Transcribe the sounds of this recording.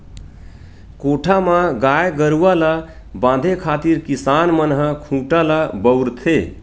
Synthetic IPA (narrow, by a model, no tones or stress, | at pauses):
koʈʰamãɡajɡəɾuala | bãd̪ʱekʰat̪iɾkisanmənɦəkʰũʈalabəwɾt̪ʰe